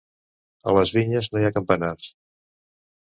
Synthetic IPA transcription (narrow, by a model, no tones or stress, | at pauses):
ə̰ləzβiɲəznojakəmpənars